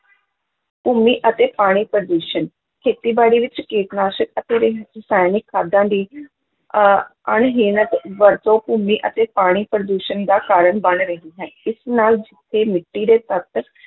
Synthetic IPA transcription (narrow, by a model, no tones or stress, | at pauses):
puːmiːʔət̪eːpaːɽ̃iːpɾəd̪uːʃən | kʰeːt̪iːbaːɽiːʋɪt͡ʃkeːt̪naːʃəkət̪eːɾɪɦɾɪsaːjnɪkʰːaːd̪ãːd̪iː | əɳɦiːnət̪ʋəɾt̪õːpuːmiːʔət̪eːpaːɽ̃iːpɾəd̪uːʃənd̪aːkaːɾəɳbəɳɾəɦiːɦɛːɪsnaːld͡ʒɪt̪ʰːeːmɪʈːiːd̪eːt̪ət̪